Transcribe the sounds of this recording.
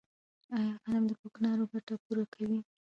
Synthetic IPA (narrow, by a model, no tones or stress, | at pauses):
ajɑɣanamd̪əkoknɑɾoɡaʈapuɾakʰawi